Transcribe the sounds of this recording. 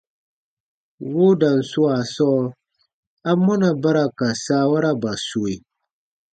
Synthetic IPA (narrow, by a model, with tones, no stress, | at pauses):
wʊ˦da˨n̩˨sʊ˦a˨sɔ˦ | a˦mʊ˦na˨ba˦ɾa˨ka˨saː˦wa˦ɾa˦ba˨so˨i˨